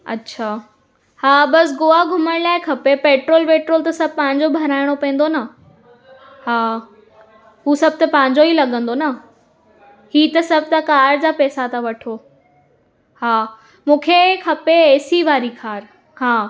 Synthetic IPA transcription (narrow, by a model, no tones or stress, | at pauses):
ɐ̰tːɕʰaː | haːbɐsɡoːaɡʱʊməɽ̃laːekʰɐpepeːʈɾoːlpeːʈɾoːlt̪ɐsɐb̚ʱpɐ̃ɦɪ̃ɲd͡ʑobʱɐɾaːɪɽ̃opẽːnd̪onɐ | haː | ɦuːsɐb̚ʱt̪ɐpɐ̃ɦɪ̃ɲd͡ʑoilɐɠə̃nd̪onɐ | hiːt̪ɐsɐb̚ʱt̪ɐkaːɾd͡ʑaːpɛːsat̪aʋɐʈʰoː | haː | mũːkʰekʰɐpeeːsiʋaːɾikʰaːɾ | haː